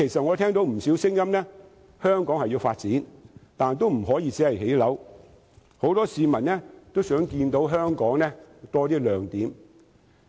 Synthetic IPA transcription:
kʰe˨˩jsɐ˨t̚ŋɔ˨˧t̪ʰɛː˥ŋt̪o˨˥wm̩˨˩siː˨˥wsɪ˥ŋjɐ˥mnɛː˥ | hœː˥ŋkɔː˨˥ŋhɐ˨jiː˨˧wfaː˧t̚t͡siː˨˥nt̪aː˨˩nt̪o˥wm̩˨˩ɦɔː˨˥jiː˧t͡sɛː˨˥hɐ˨jɦe˨˥jlɐ˨˥w | ho˨˥wt̪ɔː˥siː˨˧mɐ˨˩nnɛ˥t̪o˥wsœː˨˥ŋkiː˧nt̪o˨˥wɦœː˥ŋkɔː˨˥ŋnɛː˥t̪ɔː˥t̪iː˥lœː˨ŋt̪iː˨˥m

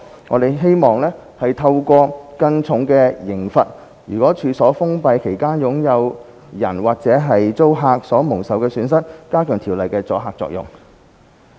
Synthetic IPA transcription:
ŋɔ̰ː˨˧d̪e˨jɦe˥jmɔː˨ŋlɛː˥ | hɐ˨jt̪ʰɐ˧wkʷɔː˧kɐ˧nt͡sʰʊ˨˥ŋkɛː˧jɪ˨˩ŋfɐ˨t̚ | jyː˨˩kɔː˨˥t͡ʃʰyː˨˧sɔː˨˥fʊ˥ŋpɐ˧jkʰe˨˩jkaː˥njʊ˨˧˥ŋjɐ˨˧w | jɐ̰˨˩nwaː˨˩k̚t͡sɛː˨˥ɦɐ˨jt͡so˥wɦaː˧k̚sɔː˨˥mʊ˨˩ŋsɐ˨wkɛː˧syː˨˧˥nsɐ˥t̚kaː˥kʰœː˨˩ŋt̪ʰiː˨˩wlɐ˨jkɛː˧t͡sɔ̰ː˨˥ɦaː˧k̚t͡sɔ̰ː˧k̚jʊ̰˨ŋ

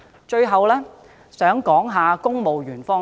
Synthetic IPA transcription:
t͡ʃɵ˧ɥɦɐ˨wlɛː˥ | sœː˨˥ŋkɔː˨˥ŋɦaː˨kʊ˥ŋmo˨wɥyː˨˩nfɔː˥

